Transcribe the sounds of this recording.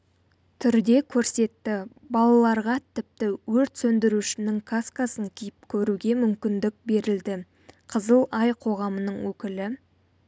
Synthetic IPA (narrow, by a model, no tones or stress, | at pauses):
t̪ʰʏɾd̪e̞kʲʰɵɾse̞t̪ːɪ | bɑlˠɑlˠɑɾʁɑt̪ʰɪp̚t̪ɪwɵɾt̪sɵnd̪ɪɾuʃɪnɪŋkʰaskasəŋkʲʰijɪp̚kʲʰɵɾuɡʲe̞mʏmkʲɪnd̪ɪk̚be̞ɾɪld̪ɪ | qʰəzəlˠɑjqʰo̞ʁɑmənəɴwɵkʲɪlɪ